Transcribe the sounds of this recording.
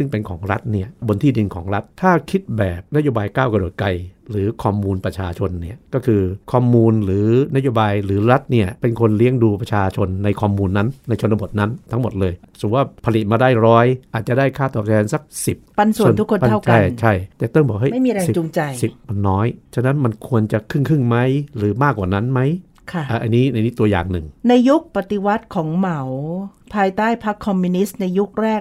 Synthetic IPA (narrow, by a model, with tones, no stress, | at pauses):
sɯ˥˩ŋpe˧nkʰɔː˩˦ŋɾa˦˥t̪̚ni˥˩ɐbo˧nt̪ʰiː˥˩di˧nkʰɔː˩˦ŋɾa˦˥t̪̚ʰːaː˥˩kʰi˦˥t̪̚bɛː˨˩p̚na˦˥joː˧baː˧jkaː˥˩wka˧do˨˩t̪̚ka˧jɾɯː˩˦kʰɔː˧muː˧npɾa˧t͡ɕʰaː˧t͡ɕʰo˧nːi˥˩ɐkɔː˥˩kʰɯː˧kʰɔː˧muː˧nɾɯː˩˦na˦˥joː˧baː˧jɾɯː˩˦ɾa˦˥t̪̚ni˥˩ɐpe˧nkʰo˧nli˦˥əŋduː˧pɾa˧t͡ɕʰaː˧t͡ɕʰo˧nːa˧jkʰɔː˧muː˧nːa˦˥nːa˧jt͡ɕʰo˧nt̪ːa˧bo˨˩t̪̚na˦˥nt̪ʰa˦˥ŋmo˨˩t̪̚lɤː˧jsu˨˩waː˥˩pʰa˧li˨˩t̪̚maː˧daː˥˩jɾɔː˦˥jʔaː˨˩t̪̚t͡ɕa˨˩daː˥˩jkʰaː˥˩t̪ɔː˨˩p̚t̪ʰɛː˧nsa˨˩k̚si˨˩p̚pa˧nsu˨˧˩nt̪ʰu˥kʰːo˧npa˧a˥˩t͡ɕʰa˧˥˩jt͡ɕʰa˥˩jt͡ɕɛː˨˩t̪ɔ˥˩ŋbɔː˨˩k̚ha˥˩ma˥˩jmiː˧ɾa˧i˨˩t͡ɕu˧ŋt͡ɕa˧jsi˨˩p̚ma˧nːɔː˦˥jt͡ɕʰa˧˩na˦˥nma˧nkʰu˧ənt͡ɕa˨˩kʰɯ˥˩ŋkʰɯ˥˩ŋma˦˥jɾɯː˩˦maː˥˩kwaː˨˩na˦˥nma˦˥j | kʰa˥˩ʔaː˧˩ʔa˧niː˦˥na˧jniː˦˥t̪u˧ɐja̰ː˨˩ŋnɯ˨˩ŋna˧jːu˦˥k̚pa˨˩t̪i˧˩wa˦˥t̪̚kʰɔː˩˦ŋma˩˦wpʰaː˧jt̪aː˥˩jpʰa˦˥kʰːɔ˧mːi˧ni˦˥sna˧jːu˦˥k̚ɾɛː˥˩k̚